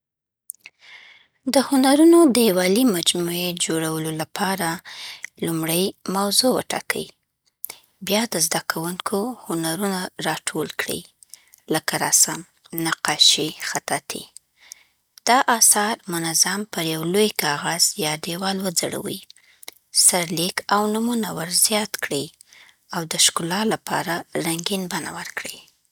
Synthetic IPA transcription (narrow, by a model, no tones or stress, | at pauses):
d̪əhʊnaɾunod̪əwɑlimad͡ʒmued͡ʒoɽawəlolapʰɑɾalumɽəjmawzowə̰ʈɑ̰kʰəi | bjɑd̪əzd̪akʰawuŋkʰohʊnaɾunaɾɑʈʰolkɽḭ | ləkaɾɑ̰sam | naqɑʃixat̪at̪ʰḭ | d̪̥ɑʔɑsɑɾmʊnazampəɾjawlojkɑɣaz̥jɑɖewɑlwəd͡zaɽa̰wḭ | saɾlikawnumunawəɾzjɑt̪kɽə | awd̪əʃkʊlɑlapʰɑ̰ɾaɾaŋɡinbana̰wəɾkɽə